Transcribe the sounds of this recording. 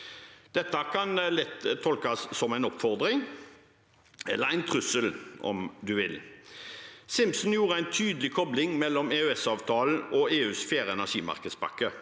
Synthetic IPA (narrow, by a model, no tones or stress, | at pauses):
d̪̥ɛt̪ːəkʰɑnlɛt̪ʰːɔlkɑsːɔmæɪnɔpfɔʁd̪ʁɪŋ | ɛ̰lːəɾæɪnt̪ʰʁʉsəlɔ̰md̪ʉʋɪl | sɪmpsn̩juːʁəæɪnt̪ʰyːd̪əlɪkʰɔblɪŋmɛlːɔmeːʉɛsɑːʋt̪ʰɑːl̩ɔeːʉːsfeːɾɛnæʁʂiːmɑ̰ʁkəd̪spɑ̰kːə